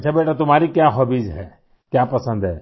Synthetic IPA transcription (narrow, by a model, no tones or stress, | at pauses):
t͡ʃʰabeːʈat̪ʊm̤aːɾikjãːɦɔbiːd͡ʒɦɛ | kjãːpəsə̃nd̪ɦɛ